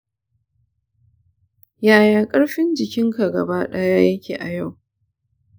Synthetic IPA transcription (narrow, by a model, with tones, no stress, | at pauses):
jaː˦jaː˨kʼɐ˦ɽɸɪ˦nd͡ʒɪ˨kʲɪ˦ŋka˨ɡɐ̰˨ba˦ɗɐ˦jaː˦jɐ˦kʲeː˨ʔa˨ja˦˨w